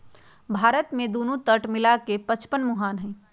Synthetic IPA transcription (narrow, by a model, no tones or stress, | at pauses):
bʱaːɾət̪mẽd̪oːnũt̪əʈmɪlakepət͡ʃpənmʊɦaːnɦɛ̃